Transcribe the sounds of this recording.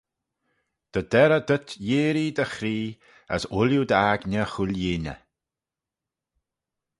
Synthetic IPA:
d̪̥əd̪ɛɾəd̪ət̪jeːɾid̪əxɾiː | ə̰sʊljud̪aɡnʲəxulʲjinʲə̰

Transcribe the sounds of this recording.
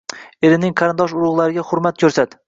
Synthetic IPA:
e̞ɾɪnɪŋqʰɑɾɪnd̪ɒʃ̬ʊɾʊʁlˠaɾɪɡʲaχʊɾmat̪̚kʲʰɵɾsat̪

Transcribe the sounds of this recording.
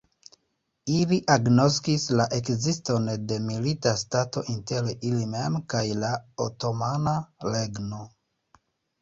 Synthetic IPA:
iliʔaɡno̞skislaʔe̞kzistonde̞militastato̞ʔinte̞ɾilime̞mkajlaoto̞manale̞ɡno̞

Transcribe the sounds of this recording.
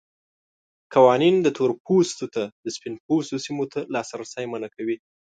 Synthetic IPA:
kawɑnind̪ət̪ʰoɾpʰost̪ot̪ad̪əspinp̚ost̪osimot̪ʰalɑsɾasajmanakʰawi

